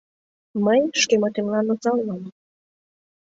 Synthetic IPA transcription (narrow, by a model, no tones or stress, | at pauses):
mənʲʃkemot̪emlɑnot͡sɑlmɑm